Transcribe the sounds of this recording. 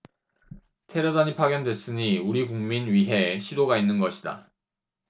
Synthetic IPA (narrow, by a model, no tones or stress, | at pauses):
tʰe̞ɾʌd͡ʑaɲipʰaɡjʌndwe̞s͈ɯɲiuɾiɡuŋminɥiɦe̞ɕʰidoɡainːɯnɡʌɕʰida̰